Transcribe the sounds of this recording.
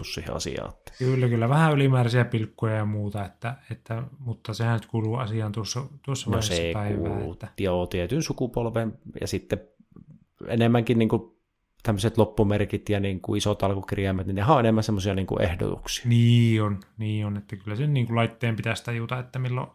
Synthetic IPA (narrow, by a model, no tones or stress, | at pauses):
ussḭːhḛɑ̰sḭɑ̰ːt̪ːe̥kylːækylːæʋæhæylimæːræsiæpilkːojɑjɑmuːt̪ɑet̪ːæet̪ːæmut̪ːɑsehænnyt̪kuːluːɑsiɑːnt̪uosːɑt̪uosːɑmnoseˑikṵːlːṵt̪ːæjɑot̪iet̪ynsukupolʋenjɑ̰sit̪ːe | ḛnemːæŋkinniːŋku | t̪æmːøset̪lopːumerkit̪jɑniːŋkṵisot̪ɑlkukiriæmːæt̪ninehæoʔenemːænsemːosiɑniːŋkṵʔḛhdo̰t̪ṵksi̥ɑ̥niːonniːonet̪ːækylːæsenniːŋkullɑit̪ːeːmpit̪æst̪æjuːt̪ɑet̪ːæmilːo̰